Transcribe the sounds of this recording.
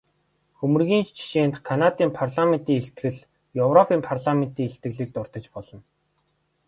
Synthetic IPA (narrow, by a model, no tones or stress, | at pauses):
xɵmɵ̆rɣʲiːnt͡ɕʰi̥ʃeːnt̪kʰanat̪iːmpʰarɮamen̥t̪iːŋeɬt̪ɡɘ̆ɮ | jɵwrɔpʰiːmpʰarɮamen̥t̪iːŋeɬt̪ɘ̆ɣɮiːk̚t̪ʊrt̪ə̆t͡ɕpɔɮɞ̆n